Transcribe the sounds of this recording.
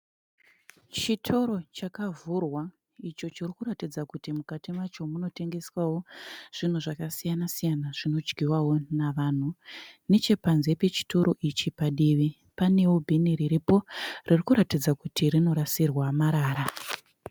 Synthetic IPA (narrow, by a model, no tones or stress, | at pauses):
t͡ʃitʰo̞ɾo̞t͡ʃakavurwa | it͡ʃo̞t͡ʃirikuratid͡zakutimukatimat͡ʃo̞muno̞te̞ŋɡe̞swawo̞ʐ̥in̤uʐakasijanasijanaʐ̥ino̞d͡ʒɡiwawo̞naʋan̤une̞t͡ʃe̞panze̞pe̞t͡ʃi̥to̞ɾʔo̞ʔit͡ʃipaɗiʋi | pane̞wobʱiniriɾipo̞ririkuɾatid͡zakutirino̞ɾasirwamaɾaːɾa